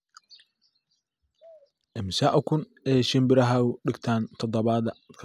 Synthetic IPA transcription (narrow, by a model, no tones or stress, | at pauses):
ʔɪmsaːʔʊkʰʊn | ɛːʃɪmbɪɾɐɦaːʊɖɪɡt̪ʰaːnt̪ʰɔd̪ɔβaːðɐkʰ